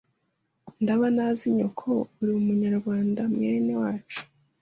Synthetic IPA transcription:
ndaβanaːziɲo̰kʰouɾimumuɲaɾɡwaːndamŋeːnewaːt͡ʃu̥

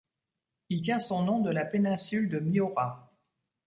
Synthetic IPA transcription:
ilt̪jɛ̃sɔ̃nɔ̃d̪əlapenɛ̃syld̪əmiɔʁa

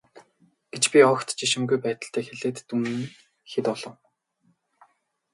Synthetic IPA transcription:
ɡ̥et͡ɕpʲiɔkt̪t͡ɕiʃɪ̆mɡujpæːt̪ə̆ɬt̪ʰæːxeɮeːt̪ːumn | xet̪ɔɮɞ̆w

